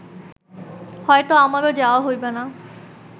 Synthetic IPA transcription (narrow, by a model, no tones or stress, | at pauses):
hɔet̪oamaɾod͡ʑaoaɦojbana